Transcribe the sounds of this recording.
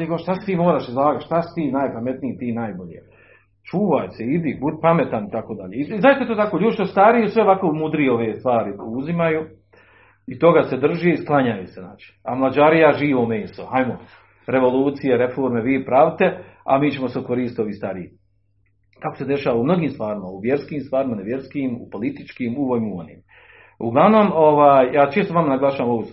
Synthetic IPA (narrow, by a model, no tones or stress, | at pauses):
eɡoʃt̪asi̥t̪iːmoːɾaːʃizlˠaːɡaʃt̪asi̥t̪iːnajpame̞t̪nijit̪iːnajboʎḛ | t͡ʃuːʋajseid̪ibud̪pame̞t̪anit̪akoːd̪aʎeːizaːjet̪eet̪oːt̪akoːʎuːd̪iʃt̪ost̪aɾiesʋeoʋakoumud̪ɾijeo̞ʋeːst̪ʋaːɾiuzimaju | it̪o̞ɡase̞d̪r̩ʒeisklˠaɲajusena̰ːt͡ʃi̥amlˠad͡ʑaɾijaʒiːʋomeːso̰ajmo | ɾe̞ʋo̞lˠuːt̪sijeɾe̞fo̞ːɾme̞ʋiːpɾaːʋt̪e̞a̰miːt͡ɕemoseokoɾiːst̪o̞ʋiːst̪aɾiji | kakose̞d̪e̞ʃaːʋaumno̞ɡiːmst̪ʋaːɾimauʋje̞ɾskiːmst̪ʋaːɾimaneʋje̞ɾskiːmṵpo̞lit̪i̥t͡ʃkiːmuʋojmuonḭːm | ṵɡlˠaʋno̞ːmo̞ʋaːjjaːt͡ʃe̞ːst̪oamanaɡlˠaʃaːʋamoʋus